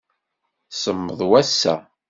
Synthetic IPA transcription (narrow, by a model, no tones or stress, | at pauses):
səmːəðˤwæsːæ̰